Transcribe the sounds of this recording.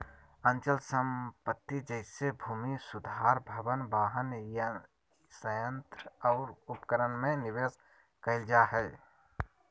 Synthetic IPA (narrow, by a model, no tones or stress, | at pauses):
ə̃nt͡ʃəlsəmpət̪ːid͡ʒəɪsebʱuːmisʊd̪ʱaːɾbʱəbənbaːɦənj | səjə̃nt̪ɾəɔːɾʊpkəɾənmẽnɪʋes | kəɪld͡ʒaɦɛː